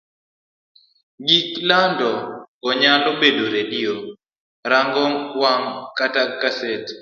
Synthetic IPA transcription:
ɡiklandɔɔɲalobedoɾedio | ɾaŋɡɔŋwaŋkatakaset

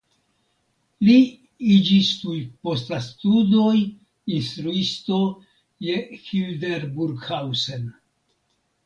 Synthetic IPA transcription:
li | id͡ʒist̪ujpo̞stastudo̞j | inst̪ɾuisto̞ | je̞hildeɾbuɾɡhawse̞n

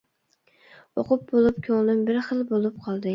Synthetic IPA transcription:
oqʊp̚bolˠɪp̚kʲʰoŋlˠɪmbɪɾχɨlˠbolˠɪp̚qʰɒlˠd̪ɪ

